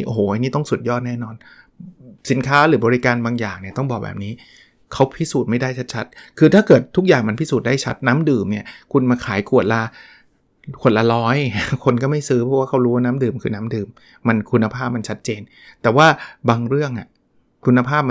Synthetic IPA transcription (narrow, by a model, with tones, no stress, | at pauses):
ʔo˨hoː˩˦ʔa˧niː˥˩t̪ɔ˥˩ŋsu˨˩t̪̚jɔː˥˩t̪̚nɛː˥˩nɔː˧n | si˩˦nkʰaː˦˥ɾɯː˩˦bɔː˧ɾi˦˧kaː˧nbaː˧ŋjaː˨˩ŋni˥˩ɐt̪ɔ˥˩ŋbɔː˨˩k̚bɛ̰ː˨˩p̚niː˦˥ | kʰa˦˥wpʰi˦˥suː˨˩t̪̚ma˥˩jdaː˥˩jt͡ɕʰa˦˥t̪̚t͡ɕʰa˦˥t̪̚kʰɯː˧t̪ʰaː˥˩kɤː˨˩t̪ʰːu˦˥k̚jaː˨˩ŋma˧npʰi˦˥suː˨˩t̪̚daː˥˩jt͡ɕʰa˦˥t̪̚naː˦˥mdɯː˨˩mni˥˩ɐkʰu˧nmaː˧kʰaː˩˦jku˨˩ət̪̚la˧ | ku˨˩ət̪̚la˧lɔː˦˥jkʰo˧nkɔː˥˩ma˥˩jsɯː˦˥pʰɔ˦˥waː˥˩kʰa˦˥wɾuː˦˥waː˥˩naː˦˥mdɯː˨˩mkʰɯː˧naː˦˥mdɯː˨˩mː | a˧nkʰu˧nːa˧pʰaː˥˩p̚ma˧nt͡ɕʰa˦˥t̪̚t͡ɕeː˧n | t̪ɛː˨˩waː˥˩baː˧ŋɾɯ˥˩əŋʔa˨˩ | kʰu˧nːa˧pʰaː˥˩p̚m˧